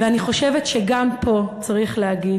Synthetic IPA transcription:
veaniχo̞ʃevetʃeɡampʰo̞t͡saʁiχleaɡi

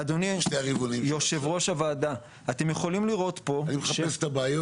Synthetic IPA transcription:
ad̪oniʃteaʁivonimjoʃevʁo̞ʃavaːd̪a | at̪emje̞χo̞limliʁo̞t̪po̞nimeaʃest̪abaːjo

